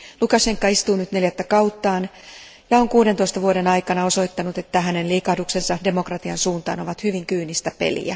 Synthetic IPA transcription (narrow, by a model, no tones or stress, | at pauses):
lukɑseŋkːɑist̪uːnyt̪ne̞ljæt̪ːækɑut̪ːɑːn | jɑoŋkuːdent̪oist̪ɑʋuode̞nɑjkɑnɑo̞so̞it̪ːɑnut̪e̞t̪ːæɦæne̞nliːkɑhduksensɑde̞mo̞krɑt̪iɑnsuːnt̪ɑ̰ːnoʋɑt̪hyʋiŋkyːnist̪æpḛlḭæ̰